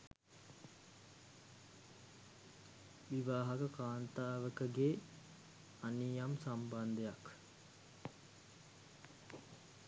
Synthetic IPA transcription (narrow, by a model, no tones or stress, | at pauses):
ʋiʋaːɦɐkəkaːnt̪aːʋəkəɡe | anijamsamband̪əjak